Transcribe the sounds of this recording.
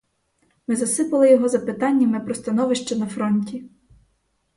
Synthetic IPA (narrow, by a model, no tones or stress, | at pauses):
mɪzɐsɪpɐlˠɪjɔɦɔzɐpɪt̪ɑnʲːɐmɪpɾɔst̪ɐnɔʋɪʃt͡ʃɛnɐfɾɔnʲtʲi